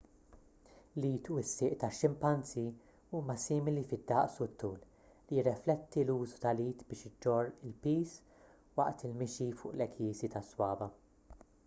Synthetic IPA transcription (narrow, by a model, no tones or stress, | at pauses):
liːt̪uɪsːɪːʔt̪ɐʃːɪmpɐnt͡si | uːmɐsiːmɪlifɪd̪ːɐʔsut̪ːuːl | lijɪrːɛflɛt̪ːiluːzu̥t̪ɐliːt̪bɪːʃɪd͡ʒɔrɪlpiːs | wɐʔt̪ɪlmɪʃifʊ̰ːʔlɛkʰjiːsit̪ɐswɐːvɐ